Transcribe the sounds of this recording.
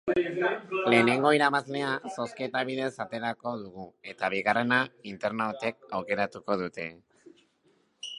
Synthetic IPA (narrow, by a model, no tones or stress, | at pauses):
le̞ːne̞ŋɡo̞iɾaβazle̞aso̞sket̪aβ̞iðe̞sat̪e̞ɾako̞ðuɣ̞ue̞t̪aβ̞iɣ̞are̞naint̪eɾnaot̪e̞k̚awke̞ɾat̪uko̞ðut̪e̞